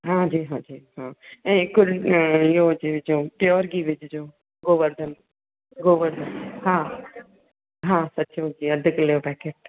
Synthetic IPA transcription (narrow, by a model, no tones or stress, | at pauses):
ɦãːd͡ʒiːɦãːd͡ʒiːɦãːɛ̃kʊɾɪɦod͡ʒid͡ʒoːpjɔːɾɡiːʋɪd͡ʒd͡ʒoː | ɡoːʋəɾd̪əm | ɡoːʋəɾd̪əhãː | ɦãːsɐtːt͡ʃod͡ʒiːɐd̪ʱəklejoːpɛːkeːʈ̚